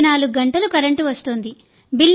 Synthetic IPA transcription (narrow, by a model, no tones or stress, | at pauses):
naːluɡɡɐɳʈɐlukɐɾɐɳʈuʋɐst̪und̪i | bilː